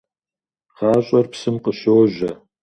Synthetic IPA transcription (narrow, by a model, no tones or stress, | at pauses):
ʁɑːɕʼɐrpsɨmqəɕowʑɐ